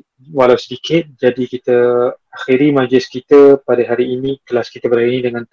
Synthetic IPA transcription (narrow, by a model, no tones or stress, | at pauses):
walawsədikʰɪt̪̚d͡ʒadikit̪əaxiɾimad͡ʒlɪskit̪əpadaɦaɾiːnĩkəlaskit̪əbəɾajinĩdəŋãn